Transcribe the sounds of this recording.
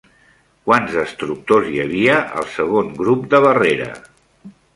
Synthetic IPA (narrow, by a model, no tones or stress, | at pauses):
kwanzəst̪ɾuk̚t̪ozjəβ̞iəʔə̰lˠsəɣ̞oŋɡɾupd̪əβ̞əreɾə̰